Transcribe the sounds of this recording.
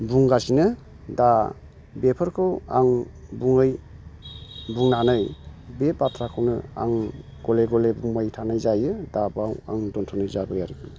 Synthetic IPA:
buŋɡasinɯ | da | bepʰɔɾkʰɯwa̰ŋbuŋɯj | buŋnanɯjbepatʰɾakʰɯwnɯ̰a̰ŋ | ɡ̥ɔleɡɔlebuŋmajtʰanajzajɯdabawa̰ŋdɔntʰɔnɯzabajaɾibu

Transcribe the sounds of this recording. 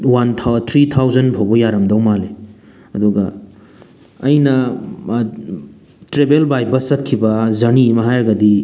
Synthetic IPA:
wantʰt̪ʰɾit̪ʰawzɐnpʰobɔjaɾɐmdɐwmale | ɐduɡɐ | jnɐ | tɾebelbajbɐsɐt̚kʰibɐzɐnimɐɦajɾɐɡɐdi

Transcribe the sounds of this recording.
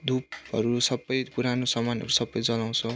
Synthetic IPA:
d̪upɦʌɾusʌbːʌjkuɾanosʌmanʌ̰ɾusʌbːʌjd͡zʌlaw̃t͡sʰʌ

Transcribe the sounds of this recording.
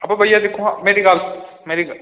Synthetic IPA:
ɐbɐbʱɐjad̪eːkʰoameːɾiɡaːlmeːɾiɡ

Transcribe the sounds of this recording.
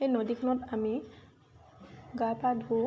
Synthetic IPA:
ejnodikʰɔnɔtami | ɡapadʱu

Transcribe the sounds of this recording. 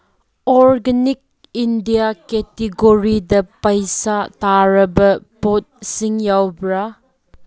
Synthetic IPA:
ɔɾɡɐnik̚ | indijakɛteɡoɾidɐpɐjsataɾɐbɐpot̚siŋjawbɾa

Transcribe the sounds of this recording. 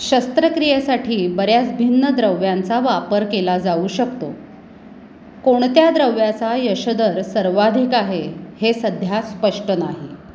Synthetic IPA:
ɕəst̪ɾəkɾijəsaʈʰiːbəɾjat͡sbʱinːəd̪ɾəʋjãnt͡saʋapəɾkelad͡zauɕəkt̪o | koɳ̃t̪jad̪ɾəʋjat͡sajəɕəd̪əɾsəɾʋad̪ʱikaɦehesəd̪ʱjaspəʂʈənaɦi

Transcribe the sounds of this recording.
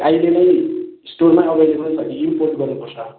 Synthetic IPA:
ajlenʌjsʈormaʌbʌjleɦununsʰʌkiimporʈɡʌrnupʌrt͡sʰʌ

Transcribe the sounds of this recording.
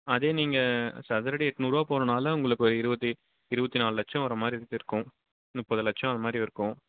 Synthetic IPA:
ɐðeːniːŋɡɐsɐðɐɾɐɽiɛʈːnuːɾaːpoːɾɐnaːlɐʊŋɡɐɭɯkːɐɾɪɾɯbɐt̪ːi | ɪɾɯbɐt̪ːinaːlɯlɐʈ̚t͡ʃɐ̃ʋɐɾɐmaːd̪ɾiɾt̪ːɪɾɯkːʊ̃ | nʊpːɐðɯlɐʈ̚t͡ʃɐ̃ɐnðɐmaːd̪ɾiɪɾɯkːʊ̃

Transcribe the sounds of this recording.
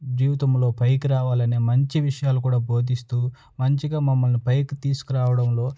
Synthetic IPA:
d͡ʒiːʋit̪ɐmlo̞ːpɐjkuɾaːʋaːlɐneːmɐɲt͡ʃiʋiʂɐjaːlukuːɽaːbʱo̞ːd̪ist̪uː | mɐɲt͡ʃiɡaːmɐmːɐlnipɐjkut̪iːsu̥kuɾaːʋɐɽɐmlo̞ː

